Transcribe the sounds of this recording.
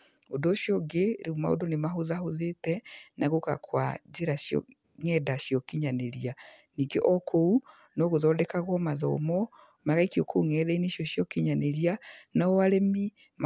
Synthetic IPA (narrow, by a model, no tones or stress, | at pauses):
odoːɕjɔɡeɾeuma̰o̰donemaɦoðahoðetɛnaɣoka̰kwa̰d͡ʒeɾasjɔ̰ | ŋɛdaɕijɔkiɲaneɾia | niːɡeʔɔkʰou | nɔɣoðɔːdɛkaɣwɔmaðɔ̰mɔ | maɣaikijɔkʰouŋɛðɛineɕjɔɕjɔkiɲaneɾianaɔaɾemi | m